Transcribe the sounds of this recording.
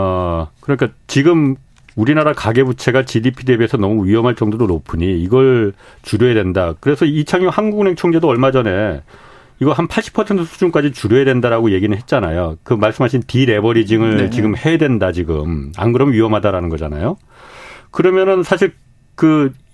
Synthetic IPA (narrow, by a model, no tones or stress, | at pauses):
akɯɾʌɲik͈at͡ɕiɡɯm | uɾinaɾakaɡe̞but͡ɕʰe̞ɡat͡ɕidipʰide̞bie̞sʰʌnʌmuɥiʌmɦaɭt͡ɕ͈ʌŋdoɾonopʰɯɲiːɡʌɭ | t͡ɕuɾjoedwendakɯɾesʰʌit͡ɕʰaŋohanɡuɡne̞ŋt͡ɕʰoŋd͡ʑe̞doʌɭmad͡ʑʌne̞ | iɡʌɭɦanpʰaɭɕ͈i̥pʰʌsʰentʰɯsʰu̥d͡ʑunk͈ad͡ʑit͡ɕuɾjoedwendaɾaɡoje̞ɡinɯɭɦet̚t͡ɕ͈anajokɯmaɭs͈ɯmɦaɕʰintiɾe̞bʌɾid͡ʑiŋɯɭt͡ɕiɡɯmhe̞dwendat͡ɕiɡɯma̰nɡɯɾʌmɥiʌmɦadaɾanɯnɡʌd͡ʑa̰na̰jo | kɯɾʌmjʌnɯnsʰaɕʰiɭ | kɯ